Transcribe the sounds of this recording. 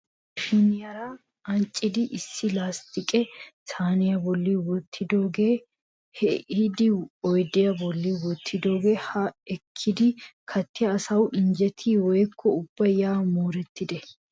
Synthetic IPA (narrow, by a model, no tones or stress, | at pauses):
finɪjɐɾɐ | ɐnt͡ʃʼːɪd̪ɪʔɪsːɪlaːst̪ɪkʼɛsaːnɪjɐbɔlːiwɔt̪ʰːɪd̪o̞ːɡeː | hɛɪd̪ɪɔjd̪ɛjɐbɔlːiːwɔt̪ʰːɪd̪o̞ːɡeːhɐɛkʰːɪd̪ɪkʰɐt̪ːɪjɐːsɐwʔɪnd͡ʒɛt̪ʰiːwɔjkʰːɔʊb̥ːɐjaːmoːɾɛt̪ːɪd̪ɛ